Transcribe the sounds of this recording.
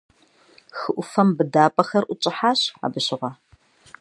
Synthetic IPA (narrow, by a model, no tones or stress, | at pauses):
xɨʔʷʊfɐmbɨdaːpʼɐxɐrʔʷʊt͡ʃʼɪħaːɕa̰ːbɨɕɪʁɐ